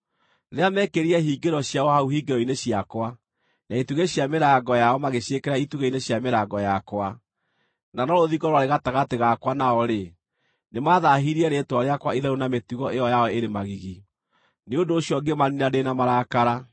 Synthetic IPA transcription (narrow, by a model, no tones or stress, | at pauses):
ɾeamɛkeɾiɛɦiːɡeɾɔɕjaɔhauɦiɡeɾɔineɕiakwa | naituɣeɕjameɾaɡɔjaɔmaɣeɕjekɛɾaituɣeineɕjameɾaɡɔjakwa | nanɔɾoðiɡɔɾwaɾeɣataɣateɣakwanaɔɾe | nemaðaɦiɾiɛɾetwaɾeakwaiðɛɾunametuɣɔeɔjawɛeɾemaɣiɣi | neondoːɕjɔɡemaninadenamaɾakaɾa